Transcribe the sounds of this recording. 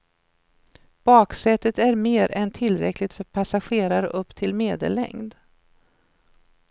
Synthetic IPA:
b̥ɑːksɛt̪ːət̪æɾmeːɾɛnt̪ʰɪlːɾɛ̰klɪɡt̪fœɾpʰasaɧeːɾaɾə̰ʔɵpːt̪ʰɪlmeːd̪ə̰lːɛ̰ŋd̪

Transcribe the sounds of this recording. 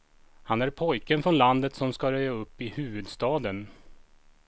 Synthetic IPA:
hanæɾpʰɔjkənfɾɔnland̪ət̪sɔmskaɾœjːaɵpːɪhʉ̟ːvɵd̪st̪ɑːd̪ən

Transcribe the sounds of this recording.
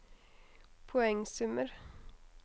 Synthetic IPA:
pʰʊɛŋsʉməɾ

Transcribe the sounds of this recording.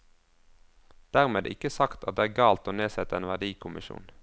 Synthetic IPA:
d̪̥æʁmeːd̪ʔɪ̰kəsɑkt̪ɑt̪̚d̪eːæːɡɑːlt̪oːneːsɛt̪əeːnʋæʁd̪iːkʰʊmʔɪʃṵːn

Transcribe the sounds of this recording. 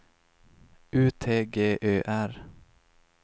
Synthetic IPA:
ʉːt̪ʰeːɡeːʔøːʔæɾ

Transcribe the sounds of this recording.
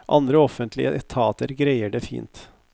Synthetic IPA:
ʔɑnd̪ɾəɔfːənt̪ʰlɪ̰əʔɛt̪ʰɑːt̪əɾɡɾæɪəɖefḭːnt̪

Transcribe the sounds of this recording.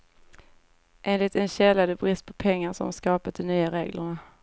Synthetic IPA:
ʔeːnlɪt̪ɛnɕɛlːad̪əbɾɪst̪̚pʰɔpʰɛŋːaʂɔ̰maskɑːpat̪̚d̪ɔnyːaɾeːɡlə̰ɳa

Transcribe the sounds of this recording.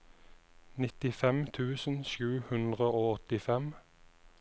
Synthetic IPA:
nɪt̪ɪfɛmt̪ʰʉːsn̩ʃʉːhʉnd̪ʁəoːɔt̪ɪfɛm

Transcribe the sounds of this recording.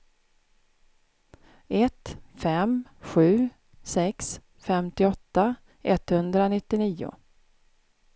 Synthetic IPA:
ɛt̪fɛmɧʉ̟ː | sɛks | fɛmt̪ɪɔt̪ːa | ʔɛt̪hɵnd̪ɾanɪt̪ːɪniːʊ̰

